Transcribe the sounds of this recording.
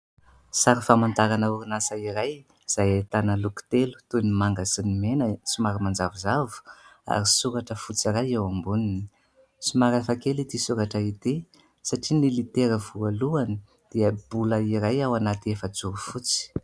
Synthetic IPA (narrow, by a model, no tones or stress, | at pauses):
saɾifamant̪aɾanəuɾinasaiɾaj | z̥ajat̪anəluku̥t̪elu̥t̪unimaŋɡasinimenəsumaɾimand͡zavizavu̥a̰ɾisuɾaʈ͡ʂəfut͡siɾajewambunini̥ | sumaɾafakelit̪isuɾaʈ͡ʂəit̪i | saʈ͡ʂinilit̪eɾəvualuani | d̪̥iəb̥uləiɾajawanat̪iefət͡suɾufut͡si̥